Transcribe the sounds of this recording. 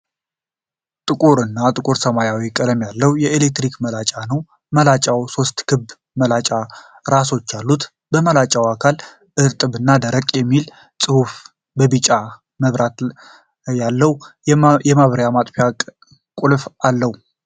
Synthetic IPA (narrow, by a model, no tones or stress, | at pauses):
t̪ʼɨkʼuɾɨnːat̪ʼɨkʼuɾsəmajawikʼəd̪əmjalːəwjɛelek̚t̪ɾikməlat͡ʃʼanəw | məlat͡ʃʼawso̞st̪kʰɨb | məlat͡ʃʼa | ɾaso̞t͡ʃːalːut̪ | bəməlat͡ʃʼawakʰal | ɨɾt̪ʼɨβɨnːad̪əɾəkʼjɛmːil | sʼɨhuf | bəbɨt͡ʃʼa | məβɾat̪ | jalːəwjɛmaβəɾjamat̪ʼfija | kʼulfalːəhu